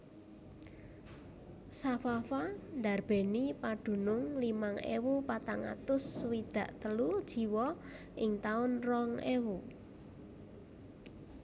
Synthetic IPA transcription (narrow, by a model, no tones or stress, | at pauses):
safafand̪arb̥e̤nipaɖ̥ṳnʊŋlimaŋḛwupat̪aŋa̰t̪ʊswid̪̥ä̤ʔt̪əlud̥ʒ̥i̤wɔ | ʔɪŋt̪aʊnrɔŋewu